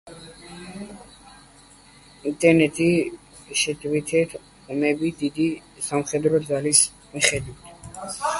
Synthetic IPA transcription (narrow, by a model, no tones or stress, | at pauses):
int̪ʼɛɾnɛt̪ʼi | ʃɛt̪ʰʼwit̪ʰɛt̪ʰ | ɔmɛbid̪id̪isamχɛd̪ɾɔd̪zalis | miχɛd̪wit̪ʰ